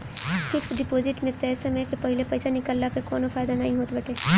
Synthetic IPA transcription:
fʰɪksɖɪpoːzɪʈmẽt̪ɛɛːsemẽkepɐɦɪlepɐjsanɪkəlːapekɔːnofaːjd̪anɐɦĩɦoːt̪bɐʈʰeː

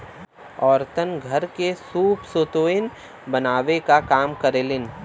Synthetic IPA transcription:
ɔːɾt̪ənɡʱɐɾkesuːpsoːt̪oːɪn | bɐnaːʋekakaːmkɐɾeːlɪn

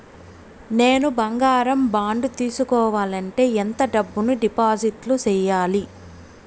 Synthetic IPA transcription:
ne̞ːnubɐŋɡaːɾɐmbaːɳɖut̪iːsukɔːʋaːlɐɳʈe̞ːent̪ɐɖɐbːunuɖipaːd͡ʒiʈlut͡ʃɛːjaːli

